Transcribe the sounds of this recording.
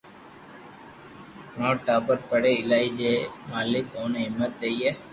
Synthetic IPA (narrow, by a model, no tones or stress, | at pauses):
ʋãːʈaːpəɾpəɽeːɪlaːiːd͡ʒeːmaːlɪkõːnːɦɪmːət̪̚d̪eiːɦɛː